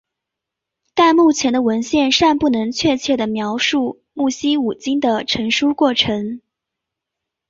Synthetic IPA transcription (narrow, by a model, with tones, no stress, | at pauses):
t̪a˥˧nmu˥˩t͡ɕʰjɛ˧˥nd̪ə˧wə˧˥nɕjɛ˥˧nʂa˥˧npu˥˩nɤ˧˥ŋt͡ɕʰɥɛ˥˧t͡ɕʰjɛ˥˩d̪ə˩mjɑ˧˥ʊʂu˥˧ | mu˥˩ɕi˥u˨˩t͡ɕi˥ŋd̪ə˨ʈ͡ʂʰɤ˧˥ŋʂu˥kwɔ˥˩ʈ͡ʂʰɤ˧˥ŋ